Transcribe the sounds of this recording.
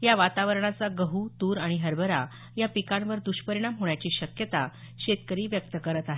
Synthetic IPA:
jaʋat̪aʋəɾɳ̃at͡saɡəɦut̪uːɾaɽ̃iɦəɾbʱəɾa̰ | japikãnʋəɾd̪uɕpəɾiɳ̃amɦoɳjat͡ɕiːɕəkjət̪a | ɕet̪kəɾiːʋjək̚t̪əkəɾət̪aɦe

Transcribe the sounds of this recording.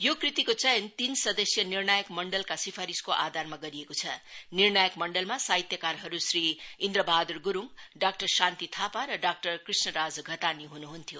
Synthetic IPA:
jokrit̪ikot͡sʌjʌnt̪insʌd̪ʌsjʌnirnajəkmʌɳɖʌlkasipʰaɾiskoʔad̪ʱarmaɡʌɾiekot͡sʰʌnirnajəkmʌɳɖʌlmasaɦit̪jʌkaɾɦʌɾusriind̪ɾʌbʱad̪urɡuɾuŋɖak̚ʈʌrsant̪it̪ʰapaɾʌɖak̚ʈʌrkrisnʌɾad͡zɡʱʌt̪aniɦunuɦunt̪ʰjo

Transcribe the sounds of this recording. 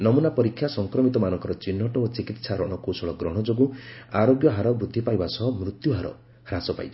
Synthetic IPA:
nɔmunapɔɾikʰːjasɔŋkɾɔmit̪ɔmanɔŋkɔɾɔt͡ʃinːɔʈɔot͡ʃikit̪saɾɔɽ̃ɔkowsɔɭɔɡɾɔɽ̃ɔd͡ʒoɡũaɾoɡjɔɦaɾɔbɾud̪ʱːipajbasɔɦmɾut̪juɦaɾɔ̰ | ɾasɔpa̰jt͡ʃʰ

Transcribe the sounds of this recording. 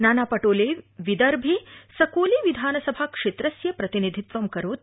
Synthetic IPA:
naːnaːpɐʈoːleʋid̪ɐɾbʱisɐkoːliʋid̪ʱaːnɐsɐbʱakʂet̪ɾɐsjɐpɾɐt̪inid̪ʱit̪ʋɐmkɐɾoːt̪

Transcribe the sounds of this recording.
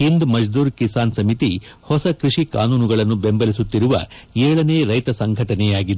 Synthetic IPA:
ɦind̪mɐd͡ʒd̪uːɾkisaːnsɐmit̪ihɔsɐkɾiʂika̰ːnuːnuɡɐɭɐnːubembɐlisut̪ːiɾuʋɐ̰ɛːɭɐneːɾɐjt̪ɐsɐŋɡʱɐʈɐnɛjaːɡid̪e

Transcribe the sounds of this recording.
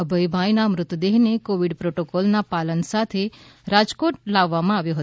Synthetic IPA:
əbʱəjbʱajnamɾʊt̪ːd̪eɦnekoʋiɖpɾoʈokɔlnapalənsat̪ʰe | ɾad͡ʒkoʈ̚laʋːamãaʋjoɦət̪

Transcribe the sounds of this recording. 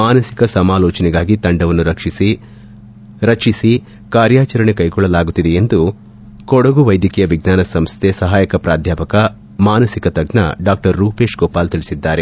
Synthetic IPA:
maːnɐsikɐsɐmaːlɔːt͡ʃɐnɛɡaːɡit̪ɐɳɖɐʋɐnːuɾɐkʂisi | ɾɐkʂisi | kaːɾjaːt͡ʃɐɾɐɳekɐjɡɔɭːɐlaːɡut̪ːid̪eend̪u | kɔɽɐɡuʋɐjd̪jɐkɛjɐʋiɡnaːnɐsɐmst̪ʰesɐɦaːjɐkɐpɾaːd̪ʱjaːpɐkɐ | maːnɐsikɐt̪ɐɡnɐ̰ɖaːk̚ʈɐɾːuːpe̞ːʃɡɔːpaːlt̪iɭisid̪ːaːɾe̞

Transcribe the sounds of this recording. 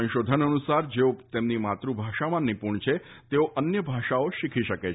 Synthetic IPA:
ə̃ʃod̪ʱənənusaɾd͡ʒeot̪emnimat̪ɾubʱaʃamãnipuɳt͡ʃʰe | t̪eoʔənjəbʱaʃaoʃikʰiʃəke

